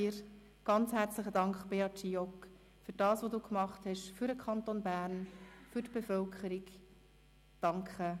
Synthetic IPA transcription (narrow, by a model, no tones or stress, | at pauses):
iɾ | ɡ̥ɑnt͡shæɾt͡slɪχədɑŋkχb̥eɑtt͡ʃiɔk | fyɾd̥ɑːsʋoduːkmɑχthɛʃfyɾdəkʰχɑntonbæːɾnfʏɾtb̥efœlkʰχəɾik | d̥ɑŋkχə